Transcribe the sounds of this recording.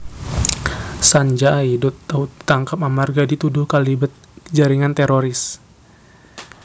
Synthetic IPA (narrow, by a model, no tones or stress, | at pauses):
saɲd͡ʒaidut̪ḁt̪aŋkapamarɡadit̪udʊhkalibət̪̚əd͡ʒaɾiŋant̪ɛɾoɾɪs